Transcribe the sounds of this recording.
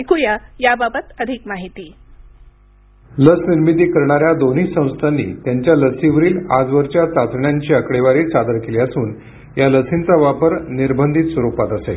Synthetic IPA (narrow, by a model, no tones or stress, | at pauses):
kujajababət̪əd̪ʱikmaɦit̪iː | ləsniɾmit̪̬iːkəɾɳaɾjad̪on̤iːsə̃w̃st̪ʰanːḭːt̪jaɲt͡ɕjaləsiʋəɾiːlad͡zʋəɾt͡ɕjat͡sat͡s̪ɳjaɲt͡ɕiːəkɽeʋaɾiːt͡sad̪əɾkeleəsuːn | jaləsint͡saʋapəɾniɾbʱənd̪ʱit̪sʋəɾupat̪əsḛ